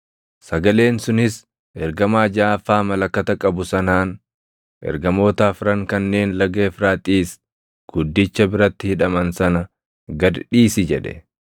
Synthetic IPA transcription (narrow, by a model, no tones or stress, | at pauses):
sɐɡɐle̞ːnsʊnɪs | ɛɾɡɐmaːd͡ʒaːfaːmɐlɐkːɐt̪ɐkʼɐbʊsɐnaːn | ʔɛ̰ɾɡɐmo̞ːt̪aːfɾɐŋkɐnːe̞ːnlɐɡeːfɾaːt̪ʼiːs | ɡ̥ʊd̪ːɪt͡ʃːɐbɪɾɐt̪ːɪhɪᶑɐmɐnsɐnɐ | ɡɐd̪ᶑiːsɪd͡ʒɛᶑɛ̰